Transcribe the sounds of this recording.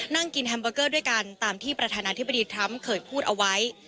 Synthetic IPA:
na˥˩ŋki˧nɦɛ˧mbɤː˧kɤː˥˩du˥˩jka˧nt̪aː˨mt̪ʰiː˥˩pɾa˧aː˧naː˧t̪ʰi˦˥ba˧diː˧t̪ʰɾa˦˥mkʰɤː˨˩jpʰuː˥˩t̪̚ʔa˧wa˦˥j

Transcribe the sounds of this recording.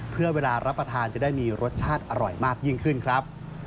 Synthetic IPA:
pʰɯ˥˩ɐweː˧laː˧ɾʔa˦˥pːɾa˧t̪ʰaː˧nt͡ɕa˨˩daː˥˩jmiː˧ɾo˦˥t̪̚t͡ɕʰaː˥˩t̪̚ʔa˧ɾɔ˨˩jmaː˥˩k̚ji˥˩ŋkʰɯ˥˩nkʰɾa˦˥p̚

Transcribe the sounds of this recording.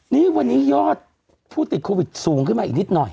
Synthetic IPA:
niː˦˥wa˧nːiː˦˥jɔː˥˩t̪̚ | pʰuː˥˩t̪i˨˩t̪̚kʰoː˧wi˨˩t̪̚suː˩˦ŋkʰɯ˥˩maː˧i˨˩k̚ni˦˥t̪̚nɔ˨˩j

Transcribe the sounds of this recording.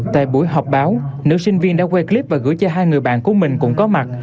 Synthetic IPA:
t̪a̰ː˧˨jɓu˧˩əjɦɔ˨˩wk͡p̚ɓaː˨˦wnɨ̰˨˧˦wsï˧ŋ̟vi˧ənɗa̰ː˧˥kwɛ˧kli˦˥p̚vaː˨˩ɣɨ̰˧˥əjt͡ɕɔ˧ɦaː˧jŋɨ˨˩əjɓa̰ː˧˨nku˧˩əmï˨˩ŋ̟kʊ̰˧˥ŋ͡mkɔ˨˦ma˨˩t̚

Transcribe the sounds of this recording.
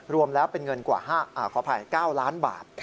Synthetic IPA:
ɾu˧əmlɛː˦˥wpe˧nŋɤ˧nkwa̰ː˨˩haː˥˩ʔaː˨˧˩kʰɔː˨˩˦pʰa˧jkaː˥˩wlaː˦˥nba̰ː˨˩t̪̚ʰ

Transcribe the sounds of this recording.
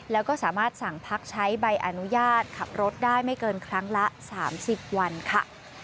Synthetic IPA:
lɛː˦˥wkɔː˥˩saː˩˦maː˥˩t̪̚sa˨˩ŋpʰa˦˥k̚t͡ɕʰa˦˥jba˧jʔa˧nu˦˥jaː˥˩t̪̚kʰa˨˩p̚ɾo˦˥t̪̚daː˥˩jma˥˩jkɤː˧nkʰɾa˦˥ŋla˦˥saː˩˦msi˨˩p̚wa˧nkʰa˥˩

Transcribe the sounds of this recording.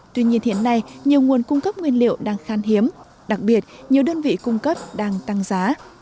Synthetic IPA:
t̪wi˧ɲi˧ənhḭ˧˨ənːa˧jɲi˨˩əwŋu˨˩ənkʊ˧ŋ͡mkə˦˥p̚ŋwi˧ənlḭ˧˨əwɗaː˧ŋxaː˧nɦi˨˦əm | ɗa˨˩k̚ɓi˨˩ət̚ɲi˨˩əwɗəː˧nvḭ˧˨kʊ˧ŋ͡mkə˦˥p̚ɗaː˧ŋt̪a˧ŋzaː˨˦

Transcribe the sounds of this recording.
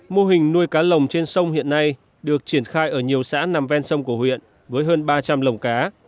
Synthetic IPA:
mo˧ɦï˨˩ŋ̟nu˧əjkaː˨˦lə˨˩wŋ͡mt͡ɕe˧nsə˧wŋ͡mhḭ˧˨ənːa˧j | ɗɨ˨˩ək̚t͡ɕi˧˩ənxaː˧jʔəː˧˩ɲi˨˩əwsa̰ː˧˥na˨˩mvɛ˧nsə˧wŋ͡mku˧˩əhwḭ˧˨ən | vəː˨˦jɦəː˧nɓaː˧t͡ɕa˧mlə˨˩wŋ͡mkaː˨˦

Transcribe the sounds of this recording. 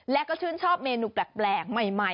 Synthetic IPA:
lɛ˦˥kɔː˥˩t͡ɕʰɯː˥˩nt͡ɕʰɔː˥˩p̚meː˧nuː˧˩plɛ˨˩k̚plɛː˨˩ŋ̚ma˨˩jma˧˩

